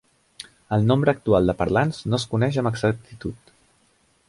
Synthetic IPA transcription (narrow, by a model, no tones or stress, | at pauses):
əlˠnombɾəːk̚t̪ualˠd̪əpəɾlanznoəskunɛʃəməɡzək̚t̪it̪ut̪